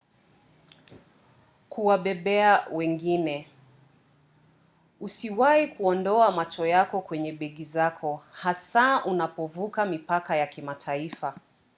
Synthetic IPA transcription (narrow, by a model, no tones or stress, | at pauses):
kuwaɓɛɓɛawɛŋɡinɛ | usiwahikuɔndɔamat͡ʃɔjakɔkwɛɲɛɓɛɠizakʰɔhasaʔunapɔvukamipakajakimatʰaifa